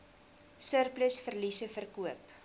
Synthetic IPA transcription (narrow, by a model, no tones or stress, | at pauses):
sərpləsfərlisəfərkuəp